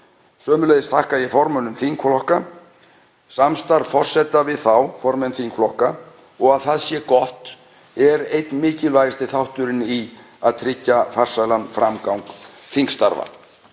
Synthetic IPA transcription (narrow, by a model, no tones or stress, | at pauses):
sœːmʏlejðɪst̪ʰahkajɛfɔɾmœnʏmθiŋkflɔhka | samst̪aɾvfɔr̥sɛt̪avɪðθawfɔɾmɛnθiŋkflɔhka | ɔɣaðθaðsjɛkɔht̪ | ɛɾejt̪nmɪːcɪlvajɣɪst̪ɪθawht̪ʏɾɪni | aðt̪ʰɾɪcːafar̥sajlanfɾamkawŋkθiŋkst̪aɾva̰